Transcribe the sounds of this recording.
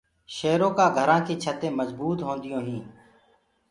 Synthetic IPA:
ʃeːɾõːkaːɡʱəɾãːkeːt͡ʃʰət̪ẽːməzbuːt̪ɦõːnd̪ɪjõːɦĩː

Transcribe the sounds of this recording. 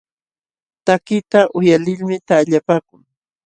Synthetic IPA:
t̪akɪt̪aʔʊjalɪlmɪt̪aʎapaːkʊŋ

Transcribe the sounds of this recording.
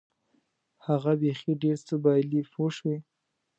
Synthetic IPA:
haɣabexiɖeɾsəbɑjlifoʃwi

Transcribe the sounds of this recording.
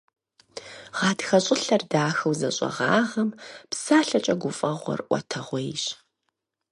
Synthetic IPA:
ʁ̥ɑːtxɐɕʼɪɬɐrdaːxɐwzɐɕʼɐ̰ʁɑ̰ːʁɐmpsaːɬɐt͡ʃʼɐɡʷʊfʼɐʁʷɔ̰rʔʷɔ̰tʰɐʁʷejɕ

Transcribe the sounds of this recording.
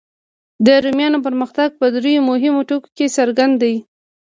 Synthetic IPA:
d̪əɾomjɑnop̬əɾməxt̪aɡ̚pəd̪ɾejomʊɦɪmoʈoko̥kesaɾɡand̪aji

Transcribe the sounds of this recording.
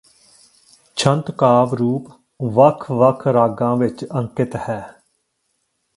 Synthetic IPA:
t͡ʃʰənt̪kaːʋɾuːp | ʋəkʰʋəkʰɾaːɡãːʋɪt͡ʃə̃ŋkɪt̪hɛː

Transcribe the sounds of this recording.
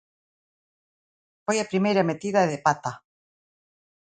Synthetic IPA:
fojapɾimejɾamet̪iðaeðepat̪a

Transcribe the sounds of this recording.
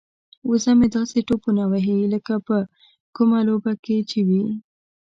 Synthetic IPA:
usamed̪ɑseʈopunawaɦiləkapə | kumalobaket͡ʃewi

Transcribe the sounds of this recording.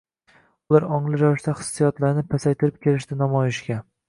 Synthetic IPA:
ʊlˠaɾɒŋlˠɪɾavɪʃt̪aχɨ̥sːijɒt̪laɾnɪpʰasajt̪ʰɪɾɪp̚kʲe̞lɪʃt̪ɪnɒmɒjɪʃkʲa

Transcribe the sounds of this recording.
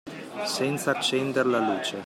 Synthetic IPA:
sɛnt̪sat͡ʃːɛnd̪eɾlaluːt͡ʃe

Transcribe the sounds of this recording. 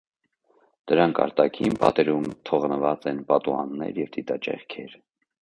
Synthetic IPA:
d̪̥əɾɑŋkʰɑ̰ɾt̪ɑkʰinpɑ̰t̪ɛɾumt̪ʰɔʁnəvɑt͡sɛnpɑt̪uɑ̰nːɛ̰ɾjɛvd̪it̪ɑt͡ʃɛ̰χkʰɛɾ

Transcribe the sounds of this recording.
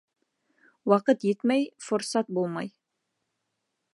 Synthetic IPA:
wɑqət̪jet̪mæjfoɾsɑt̪̚bolˠmɑj

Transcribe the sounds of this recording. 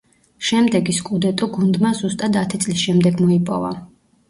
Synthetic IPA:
ʃɛmd̪ɛɡiskʼud̪ɛt̪ʼɔɡund̪mazust̪ʼad̪at̪ʰit̪sʼlisʃɛmd̪ɛɡmɔipʼɔ̰va̰

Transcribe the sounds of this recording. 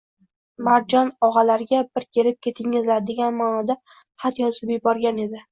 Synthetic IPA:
maɾd͡ʒɒnɒʁɑlaɾɪɡʲabɪɾkʲʰe̞ɾɪp̚kʲʰe̞t̪ʰɪŋːɪzlaɾd̪e̞ɡʲanmaːnɒd̪a | χat̪jɒsʊbɪjbɒɾɡʲane̞d̪ɪ

